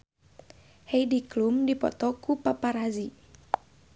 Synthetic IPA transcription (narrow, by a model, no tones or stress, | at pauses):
hejdiklumdipɔ̰t̪ɔkupapaɾazi